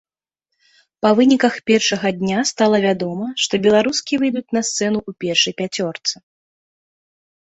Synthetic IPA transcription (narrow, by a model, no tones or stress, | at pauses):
pɐvɨnʲikɐxpʲɛrʂɐɣɐd̪ʲnʲast̪alˠɐvʲad̪ɔmɐʂt̪ɔbʲɛlˠaɾuskʲivɨjd̪ut͡sʲnɐst̪sɛnuʔupʲɛrʂɐjpʲat͡sʲɔrt̪sɨ